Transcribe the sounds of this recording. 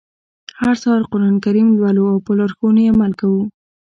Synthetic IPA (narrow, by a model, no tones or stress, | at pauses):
haɾsɑɾqoɾɑnkaɾimlwaluawpəlaɾxowunojeamalkawu